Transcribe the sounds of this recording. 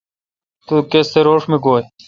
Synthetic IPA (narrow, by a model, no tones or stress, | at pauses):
t̪ukest̪eɾoːʂmiɡoːj